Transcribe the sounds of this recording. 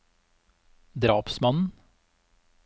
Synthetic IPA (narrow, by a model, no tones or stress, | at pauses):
d̪ɾɑːpsmɑnn̩